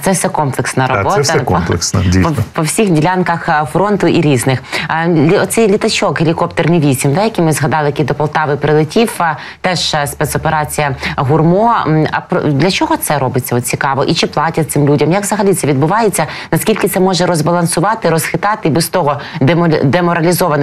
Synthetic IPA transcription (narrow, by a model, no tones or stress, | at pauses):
t̪sɛfsɛkɔmplˠeksnɐɾɔbɔtsɐklˠɛksɐipɔpɔwsʲixdʲilʲankɐxfɾɔnt̪ʊʔiɾʲiznɪxʲ | ɔt̪sɛjlʲit̪ɐt͡ʃɔkɦelʲikɔpt̪ernɪʋʲisʲimd̪ajɐkʲimɪzɦɐd̪ɑlˠɪjkid̪ɔpɐlˠt̪ɑʋɪpɾɪlˠɪtʲiw | t̪ɛʒspɛt̪sɔpeɾɑt͡sʲijɐɦʊrmɔɐ̰pd̪lʲɐt͡ʃɔɦɔt̪sɛɾɔbɪt͡sʲːɐɔt̪̚ʲt͡sʲikɑʋɔʔit͡ʃɪplˠɑtʲɐt̪sɪmlʲudʲɐmjɐkʋzɐɦɐlʲit̪sɛʋʲid̪̚bʊʋɑjet͡sʲːɐnɐskʲilʲkɪt̪ɛmɔʒɛɾɔzbɐlˠɐnsʊʋɑt̪ɪɾɔsxɪt̪ɑt̪ɪbɪst̪ɔɦɔd̪ed̪emɔɾɐlʲizɔʋɐn